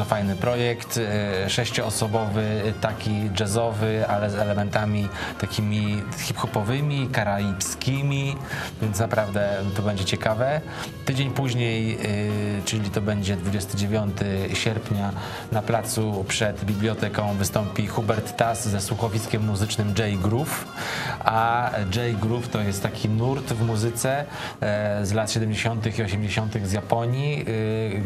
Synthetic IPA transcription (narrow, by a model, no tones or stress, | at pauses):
ɔfajnɘpɾɔjɛkt̪ʂɛɕt͡ɕɔɔsɔbɔvɘt̪akʲid͡ʐazɔvɘalɛzɛlɛmɛnt̪amʲit̪akʲimʲi | xʲipxɔpɔvɘmʲikaɾalʲipskʲimʲivʲjɛnt̪snapɾavd̪ɛt̪ɔbɛɲd͡ʑɛt͡ɕɛkavɛ | t̪ɘd͡ʑeɲpuʑɲej | t͡ʂɘlʲit̪ɔbɛɲd͡ʑɛd̪vud͡ʑɛst̪ɘd͡ʑevʲjɔnt̪ɘɕɛɾpʲɲa | naplat̪supʂɛd̪bʲiblʲjɔt̪ɛkɔ̃w̃vɘst̪ɔmpʲixubɛɾt̪ːasːɛswuxɔvʲiskʲɛmːuzɘt͡ʂnɘmd͡ʐɛjɡɾuf | ad͡ʐɛjɡɾuft̪ɔjɛst̪ːakʲʰinuɾt̪vmuzɘt̪sɛ | zlat̪ɕɛd̪ɛmd͡ʑeɕɔnt̪̬ɘxiɔɕɛmd͡ʑeɕɔnt̪ɘɣzjapɔɲi